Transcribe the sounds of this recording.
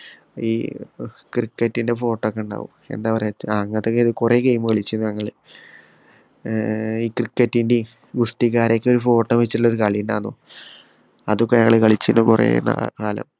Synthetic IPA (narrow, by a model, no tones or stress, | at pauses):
iː | krikːɐtːinde̞fo̞ːʈːokːɐɳɖa̰ːʋṵme̞̰nd̪aːʋɐreaŋːɐt̪ːokːeiðɨkure̞ːkejmɨkɐɭit͡ɕːunːɲɐŋːɐɭɨ | iːkrikːɐtːinde | ɡusʈiɣaːɾekʲːeoɾufo̞ːʈːomʋet͡ɕːituɭːo̞ɾukɐɭijɳɖa̰ːno | ɐðokːeɲɐŋːɐɭekɐɭit͡ɕːunːukurḛːna̰aːlɐ̰m